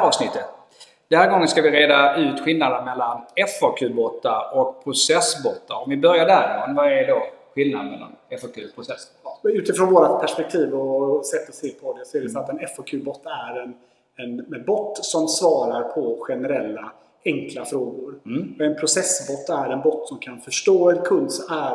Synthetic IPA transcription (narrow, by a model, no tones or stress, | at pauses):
ɾɑːvsnɪt̪ːət̪ | d̪̥ɛnhæːɾɡɔŋːənskavɪɾeːd̪aʉ̟ːt̪ɧɪlnad̪ənmɛlːanɛfakʰʉ̟ːbɔt̪ːaɾɔk̚pʰɾʊsɛsbɔt̪ːaɾɔmvɪbœɾjaɖ̪æɾɪmɔnvaɛɖoːɧɪlnad̪mɛ̰lːa̰nɛfɑkʰʉːpʰɾʊsɛsbɔt̪ːʉ̟ːt̪ɪfɾɔnvoːɾat̪pʰæʂpɛk̚t̪ʰiːvɔsɛt̪ːəseːpʰɔd̪ɛsɔæɖɛfœɾat̪ɛnɛfɔkʰʉ̟ːbɔt̪ːæɾɛn | ɛnɛbɔt̪ːsɔmsvɑːɾaɾpʰɔɧɛnɛɾɛlːa | ɛŋklafɾoːɡʊɾɛnpʰɾʊsɛsbɔt̪ːæɾɛnbɔt̪ːsɔmkʰanfœʂʈoːɛd̪kʰɵnd̪sɔæ